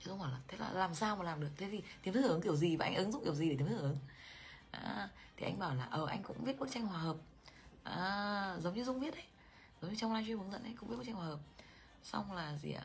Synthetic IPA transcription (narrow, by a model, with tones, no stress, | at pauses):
i˧˦zŋ͡mhaː˧˩wlaː˨˩t̪ʰe˨˦˥la̰ː˨˩laː˨˩msaː˧wma˨˩laː˨˩mɗɨ˨˩ək̚t̪ʰe˨˦t̪ʰi˨˩t̪i˨˦ət̪ʰɨ˦˥˧ɨ˨˦ŋk̪̬i˧˩əwzi˨˩vaː˨˩ʔa̰˧jŋʔə˨˦nzʊ̰˧˥k͡p̚ki˧˩əwzi˨˩e˨˩i˨˦t̪ʰːʔɨ˨˦ŋʔaː˧˦ | t̪ʰi˨˩ʔa˧ŋɓaː˧˩wlaː˨˩ʔəː˨˩ʔa˧jŋ̟kʊ̰˧˥ŋ͡mvi˦˥t̚ɓo˦˥t̚t͡ɕa˧ŋ̟hwaː˨˩əː˨˩p̚ | ʔaː˨˦zə˨˦wŋ͡mɲɨ˧zʊ˧ŋ͡mvi˦˥ət̚ʔə˨˦j | zə˨˦wŋ͡mɲɨ˧t͡ɕɔ˧wŋ͡mlaː˧jt͡ɕwvŋzə̰˧˨nʔə˨˦jkʊ̰˧ŋ͡mi˦˥ɓ̚t͡ɕa˧ŋhwaː˨əː˨˩p̚ | sa̰˧wŋ͡mlaː˨˩zḭ˨˩˨